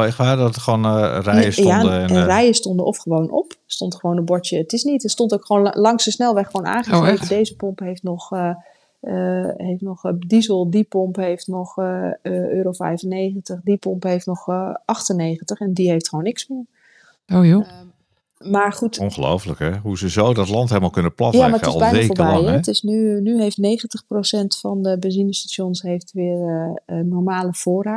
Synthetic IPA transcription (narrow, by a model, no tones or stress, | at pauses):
ɪkʋaːdɔtəχʋonrɛjəsjandəɛrɛjəstɔndəʔɔfχəʋownʔɔ̰pstɔntχəʋownəbɔɹtjəətɪsnitəstɔntokχʋonlɑŋsəsnɛlˠʋɛχəʋowna̰ːχərejpədejzəpɔmpɦejftnɔχ | ɦejftnɔχdizəlˠdipɔmpɦejftnɔχəʔøːɾowfɛ̰jfənejχəntəχdipɔmpɦejftnɔχʔɑxtənːejχəntəχɛndiɦejftχʋownːɪksmɪː | oo | maːɹχutɔnχəlo̰wfələkɛɦuzəzoːdɑtlɑntɦelˠmalˠkɵnəplɑtjamaətɪz̰lˠbɛjnnefoːɹbɛjhɛtɪsnynyɦejftnejχəntəχprosɛntfɑndəbəzinəstaʃjɔnsɦejftʋɪːərənɔɹmaːləv̥ʊːra